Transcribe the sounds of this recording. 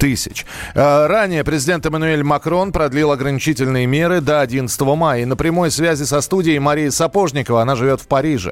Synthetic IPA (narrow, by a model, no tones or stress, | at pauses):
t̪ɨsʲɪ̰t͡ɕ | əranʲɪjəpɾʲɪzʲɪdʲe̞nt̪ɨmənʊe̞lʲmɐkɾo̞npɾɐd̪lʲilˠɐɡɾənʲɪt͡ɕitʲɪlʲnɨjəmʲe̞ɾɨd̪əɐdʲinət̪st̪əvəmajənəpɾʲɪmo̞jsvʲæzʲɪsɐst̪udʲɪɪjmɐɾʲijəsɐpo̞ʐnʲɪkəvəɐnaʐɨvʲo̞t̪fpɐɾʲiʐɨ̰